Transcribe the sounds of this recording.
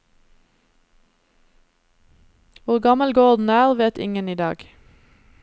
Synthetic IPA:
ʋʊʁɡɑməlɡoːʁd̪n̩æːʁʋeːt̪ɪ̰ŋəniːd̪ɑ̰ːɡ̥

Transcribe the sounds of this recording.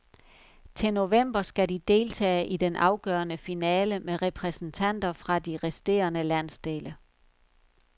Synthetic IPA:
t͡sʰe̝no̝ʋem̰b̥ɐsɡ̥æd̥id̥e̝ːlt͡sʰɛ̰ːʔid̥enʔɑ̈ʊɡ̥œːɐnəfinɛːləmeʁɛpʰʁɛsn̩t͡sʰæn̰d̥ɐfʁɑ̈d̥iʁɛsd̥e̝̰ːɐnəlæn̰sd̥e̝ːlə

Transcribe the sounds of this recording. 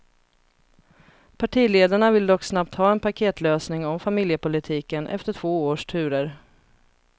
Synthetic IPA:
pʰaʈʰiːleːd̪aɳavɪld̪ɔkːsnap̚t̪hɑːɛnpakʰeːt̪løːsnɪŋɔmfamɪljəpʊlɪt̪ʰiːkənʔɛ̰ft̪əʈʰv̥oːoːʂʈʰʉ̟ːɾəɾ

